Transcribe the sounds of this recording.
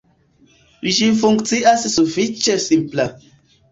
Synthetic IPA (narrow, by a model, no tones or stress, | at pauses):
wiʃifuŋktiasisufit͡ʃesimpla